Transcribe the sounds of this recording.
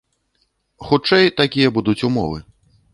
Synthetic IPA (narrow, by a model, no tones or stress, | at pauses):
xut͡ʂɛjt̪akʲijɐbud̪ut͡sʲumɔ̰vɨ̰